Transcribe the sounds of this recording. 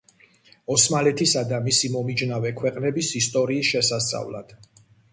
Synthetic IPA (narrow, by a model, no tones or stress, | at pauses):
ɔsmalɛt̪ʰisad̪amisimɔmid͡ʒnavɛkʰwɛqʼnɛbisist̪ʼɔɾiːsʃɛsast̪ʼa̰vla̰d̪̥